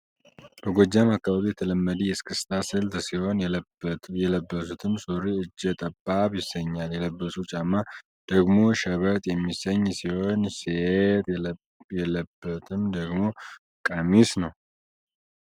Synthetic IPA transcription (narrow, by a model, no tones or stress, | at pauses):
bəɡʷɔd͡ʒamakːaβaβijɛt̪ʰələmːəd̪ijɛskʰʼɨst̪ʰasɨlt̪siho̞n | jɛləbːəsut̪ʰɨmsoɾiɨd͡ʒːɛt̪ʼəbːaβjɪsəɲːaljɛləbːəsut͡ʃʼamːa | d̪̥əɡmo̞ʃəβət̪ʼjɛmːisəɲːsiho̞nset̪ | jɛləbːət̪ʰɨmd̪əɡmo̞ | kʼəmisnəw